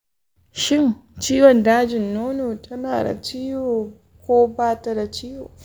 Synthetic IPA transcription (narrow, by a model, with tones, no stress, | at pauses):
ʃɪ˦nt͡ʃiː˦wɔ˨ndaː˦d͡ʒɪ˨nːoː˦noː˨tʰɐ˦naː˨da̰˨t͡ʃiː˦joː˨ | kʷoː˦baː˦tɐ˦da˨t͡ʃiː˦joː˨